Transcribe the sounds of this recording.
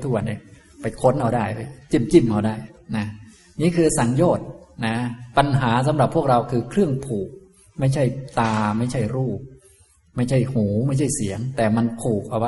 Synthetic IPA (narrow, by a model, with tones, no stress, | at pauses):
t̪ʰu˦˥k̚wa˧nːi˧˥˩ | pa˧jkʰo˦˥nʔa˧˩wdaː˥˩jɤ˧˩t͡ɕi˧˥˩mt͡ɕi˥˩mʔa˧˩daː˥˩jna˦˥ | niː˦˥kʰɯː˧sa˨˩˦ŋjoː˥˩t̪̚na˦˥pa˧nɦaː˩˦s̬a˨˦mɾa˨˩pʰu˥˩ək̚ɾa˧wkʰɯː˧kʰɾɯ˥˩əŋpʰuː˨˩k̚ | ma˥˩jt͡ɕʰa˥˩jt̪aː˧ma˥˩jt͡ɕʰa˥˩jɾuː˥˩p̚ | ma˥˩jt͡ɕʰa˥˩jhuː˩˦ma˥˩jt͡ɕʰa˥˩jsi˩˦əŋt̪ɛː˨˩ma˧nkʰuː˨˩k̚ʔa˧wa˦